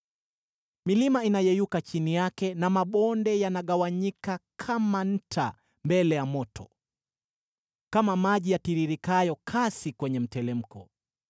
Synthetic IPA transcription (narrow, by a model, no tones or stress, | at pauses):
milimainajɛjukat͡ʃinijakɛnamaɓɔndɛjanaɠawaɲikakʰaman̩tʰa̰ | mbɛlɛjamɔtʰɔ̰ | kamamaʄijatiɾiɾikajɔkʰasikwɛɲɛm̩tɛlɛm̩kʰɔ